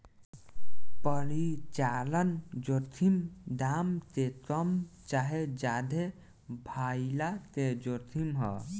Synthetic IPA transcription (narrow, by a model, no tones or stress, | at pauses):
pəɾit͡ʃalənd͡ʒot̪ʰimd̪amt̪ekəmt͡ʃaɦed͡ʒad̪ʱe | bʱailat̪ed͡ʒot̪ʰimɦə̰